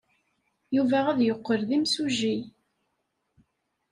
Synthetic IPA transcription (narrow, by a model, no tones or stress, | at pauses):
juvææðjoqːəɾðimsuʒi